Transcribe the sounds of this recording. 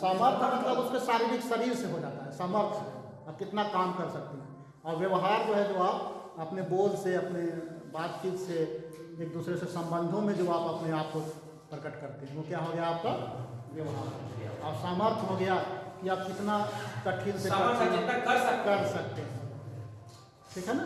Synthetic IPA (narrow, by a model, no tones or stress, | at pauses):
saːməɾt̪ʰmɐt̪ləbʊskesaːɾiːbɪksɐɾiːɾseɦod͡ʒaːt̪aɦɛsaːməɾt̪ʰɦɛ̰ | aːp̚kɪt̪nakaːmkɐɾsɐk̚t̪eɦɛ̃ | ɔːɾʋjɐʋɦaːɾd͡ʒoɦɛd͡ʒoaːpɐpneboːlseɐpnebaːt̪t͡ʃiːt̪se | eːk̚d̪uːsɾesesɐ̃mbə̃nd̪ʱõmẽd͡ʒoaːpɐpneaːp̚ko | pɾəkəʈkəɾt̪eɦɛ̃ʋokjaɦoɡəjaaːp̚kaʋjɐʋɦaːɾoa̰ɔːɾsaːməɾt̪ʰɦoɡɐjakiaːp̚kɪt̪nak̪əʈʰiːlseəɾeəkɐɾsɐk̚t̪eɦɛ̃ | ʈʰiːkɦɛna